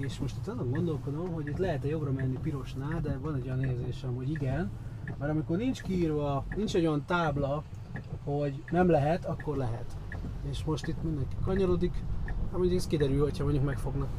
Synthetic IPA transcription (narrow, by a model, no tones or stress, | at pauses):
eːʃmo̞ʃt̪it̪ːɒzːoŋɡo̞nd̪o̞lko̞d̪o̞mɦo̞ɟit̪lɛɦɛt̪ɛjo̞brɒmɛnːipiɾo̞ʃnaːd̪ɛvɒnɛɟojɒneːrzeːʃɛmho̞ɟiɡɛnmɛɾɒmiko̞rnint͡ʃkiiːrvɒnint͡ʃɛɟojɒnt̪aːblɒ | ho̞ɟnɛmlɛɦɛt̪ɒkːo̞rlɛɦɛ̰t̪eːʃmo̞ʃt̪it̪mind̪ɛŋki̥kɒɲɒɾod̪ikamoɲɟukɛskid̪ɛɾylho̞cʰhɒmoɲːukmɛkfo̞ɡnɒk